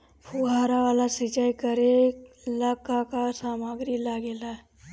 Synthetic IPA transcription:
pʰuɦaːɾaʋaːlasɪt͡ʃaːikəɾe | lakakasaːmaːɡɾilaɡelae

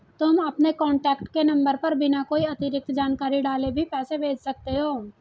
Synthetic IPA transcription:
t̪ʊmɐpnekɔ̃ːɳʈɛːkʈkenɐ̃mbəɾpɐɾbʱinakoːiɐt̪ɪɾɪk̚t̪d͡ʒaːnkaːɾiɖaːlebʱipɛːsebʱeːd͡ʒsɐk̚t̪eɦoː

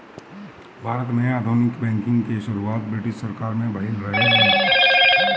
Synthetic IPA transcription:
bʱaːɾət̪nəjaːd̪ʱuːnɪkbɛ̃ːŋkɪ̃ŋɡkeʃʊɾuaːt̪̚bɾɪʈɪʃsəɾkaːɾmẽbʱəɦɪlɾəɦeɦẽ

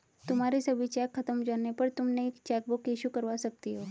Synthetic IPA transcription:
t̪um̤aɾiːsəbit͡ɕɛkʰːət̪əmd͡ʑonepəɾt̪umneekt͡ɕɛk̚bukjeɕuːkəɾʋasək̚t̪iɦo

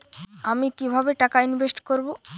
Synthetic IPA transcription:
amikibʱabeʈakainbʱesʈkoɾbo

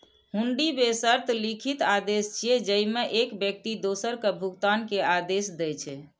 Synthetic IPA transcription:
ɦuɳɖibesəɾt̪ʰlikʰit̪ad̪est͡ʃʰijed͡ʒəjmeʔekbjək̚t̪id̪osəɾkebʱuɡt̪ankead̪esd̪ɛjt͡ʃʰɛ

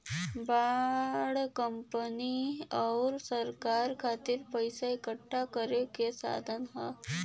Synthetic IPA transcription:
baɽkəmpəniawɾsəɾkaɾkʰat̪iːɾpəjsaekəʈʰːakəɾekesa̰d̪ʱənɦa̰

